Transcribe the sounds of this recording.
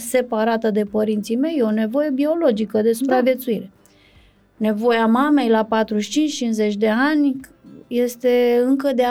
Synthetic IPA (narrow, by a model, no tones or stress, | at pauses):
se̞paɾat̪əd̪e̞pəɾint̪sijme̞jo̞ne̞vo̞je̞bio̞lo̞d͡ʒikəd̪e̞supɾavje̞t̪suiɾe̞ | ne̞vo̞jamame̞jlapat̪ɾuʃt͡ʃint͡ʃt͡ʃinze̞t͡ʃʲd̪e̞anʲje̞st̪e̞ɨŋkəd̪e